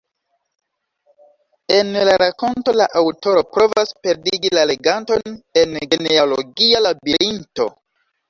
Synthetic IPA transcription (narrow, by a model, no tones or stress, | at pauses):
e̞nlaɾako̞nto̞laʔawto̞ɾo̞pɾo̞vaspe̞ɾdiɡilale̞ɡanto̞ne̞nɡeneaoloɡialabiɾinto̞̰